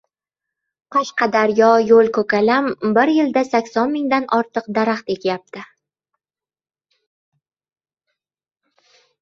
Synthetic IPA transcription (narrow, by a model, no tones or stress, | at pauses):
qʰɒʃqɑd̪aɾjɒjolˠkʰɵkʲalambɪɾjɪld̪asakʲsɒnmɪŋd̪anʔɒɾt̪ʰɨq̚d̪aɾaχt̪e̞k̪ʲʰjap̚t̪ɪ